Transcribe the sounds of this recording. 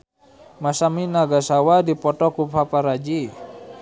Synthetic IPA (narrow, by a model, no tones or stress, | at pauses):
masaminaɡasawadipɔtɔkupʰapaɾad͡ʒi